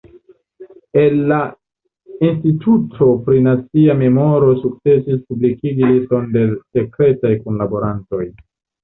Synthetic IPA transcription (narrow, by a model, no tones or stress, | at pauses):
e̞nːa | institʰutʰo̞pɾinat͡siame̞mo̞ɾo̞suk̚t͡se̞sispublikiɡilisto̞nde̞se̞kɾe̞tajkunlabo̞ɾanto̞j